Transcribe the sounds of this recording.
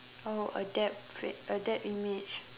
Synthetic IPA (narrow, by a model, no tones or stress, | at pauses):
oə̰dɛp̚feədɛp̚imid͡ʒ